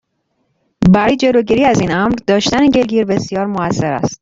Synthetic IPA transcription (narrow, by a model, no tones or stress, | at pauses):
bæɾɒːjed͡ʒe̞loːɟiːɾiːæziːnæmɾd̪ɒːʃt̪æneɟe̞lɡiːɾbe̞sjɒːɾmoæsːe̞ɾæ̰st̪̚